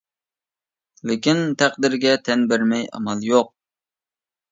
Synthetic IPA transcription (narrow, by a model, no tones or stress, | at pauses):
lɪkʲint̪ʰæqd̪ɪɾɡʲɛt̪ʰɛnbɪɾmɛjɑ̰mɑlˠjoq̚